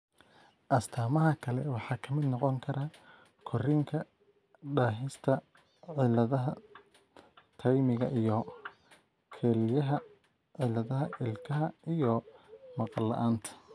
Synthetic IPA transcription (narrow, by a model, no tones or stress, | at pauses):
ʔɐst̪ʰaːmɐɦɐkʰɐlɛ̰wɑħɑːkʰɐmɪd̪nɔqɔŋkʰɐɾaː | kʰɔrɪŋkʰɐ | ɖaːɦɪst̪ʰɐ | ʕɪlɐðɐɦɐ | t̪ʰɐjmɪɣɐ̰ʔijɔ | kʰɛːlɪjɐɦɐ | ʕɪlɐðɐɦɐʔɪlkʰɐɦɐijɔmɑqɑlːɐ̰ʔaːnt̪ʰɐ̥